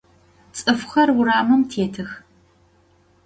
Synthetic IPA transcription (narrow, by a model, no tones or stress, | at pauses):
t͡sʼɨfxɐrwʊɾaːmɐmtʰeːtʰɨx